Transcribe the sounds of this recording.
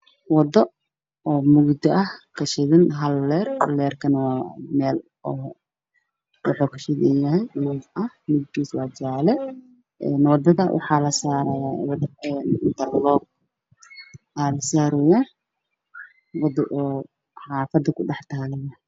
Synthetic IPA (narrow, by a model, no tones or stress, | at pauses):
wɑd̪ɔ | ɔːmʊɡd̪ɪɐhkʰɐʃɪðɪnɦɐlːɛːrhɐ̰lːɛːrkʰɐnmɛːl | ɔː | ʊħɔkʰɐ̥ʃɪd̪ɪjɐɦɛjnuːʔɐhmʊɡd̪iːswɑːd͡ʒaːlɛ | ʔɛːnwɑd̪ɐðɐwʔɑ̰ħɑːlɐsaɾjawd̪ɐɛnt̪ɐrlɔːb̚ | aːlɐsaːɾɔjaː | wɑd̪ɔʔɔː | ħɑːfɐd̪ɐkʰʊɖɑħt̪ʰaːlɛjɐ